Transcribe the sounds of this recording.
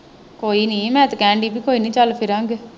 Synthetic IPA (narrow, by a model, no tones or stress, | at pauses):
koːiːnĩːmɛ̃ːt̪kɛ̃ːɳɖiːpiːkoːiːnĩːt͡ʃəlpʰɪɾãːŋɡeː